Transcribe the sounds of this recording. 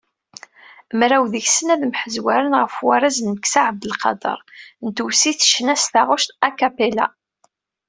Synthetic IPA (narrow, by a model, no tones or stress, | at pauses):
mɾæwðəçsənæðmħəzwæɾənʁəfwæɾæznməksaʕəbəlqɑ̰d̪ˤɑ̰ɾˤnt̪usiθə̥ʃnæsθaʁʊʃt̪ækæpela̰